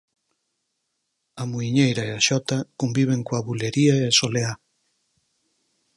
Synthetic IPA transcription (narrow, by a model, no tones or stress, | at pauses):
ɐmuiɲejɾaeaʃɔt̪akombiβ̞eŋkoaβuleɾiaeasolea